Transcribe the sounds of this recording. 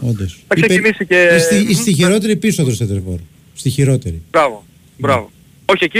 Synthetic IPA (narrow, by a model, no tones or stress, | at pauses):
ond̪osθɐkiseeinisiceist̪iist̪içiɾo̞t̪e̞ɾipisoðɾoseðevo̰ɾ | st̪içiɾo̞t̪eɾibɾɐvo | bɾɐvo | oçieci